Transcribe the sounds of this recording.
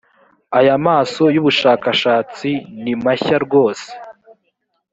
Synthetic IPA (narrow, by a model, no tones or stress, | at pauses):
ajamaːso̞juβuʃaːkaʃaːt͡sinimaçaɾɡo̞ːse̥